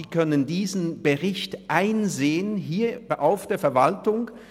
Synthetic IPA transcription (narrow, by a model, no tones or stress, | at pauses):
iːkʰœnəndiːzn̩b̥əʁɪçtʔaɪnzeːənɦiːɐʔaʊfd̥eːɐfɛɐvaltʊŋ